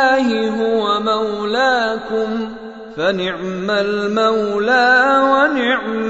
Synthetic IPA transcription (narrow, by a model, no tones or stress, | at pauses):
hɪɦʊwamawlaːkʊm | fanɪʕmalmawlaːwanɪʕm